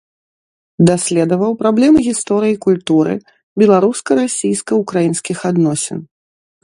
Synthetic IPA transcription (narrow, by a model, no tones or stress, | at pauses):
d̪asʲlʲɛd̪ɐvɐwpɾablʲɛmɨɣʲist̪ɔɾɨjikulʲt̪uɾɨ̰ | bʲɛlˠaɾuskɐɾasʲijskɐukɾajinskʲixad̪nɔsʲɛ̰n